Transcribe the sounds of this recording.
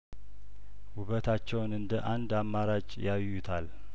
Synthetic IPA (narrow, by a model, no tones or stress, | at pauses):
huβət̪ʰat͡ʃːɛwnɨnd̪əʔand̪amːaɾat͡ʃʼjajːut̪ʰal